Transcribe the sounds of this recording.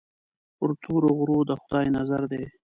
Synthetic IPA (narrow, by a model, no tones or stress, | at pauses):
pʊɾt̪ʰoɾoɣɾod̪əxʊd̪ɑjnazaɾd̪e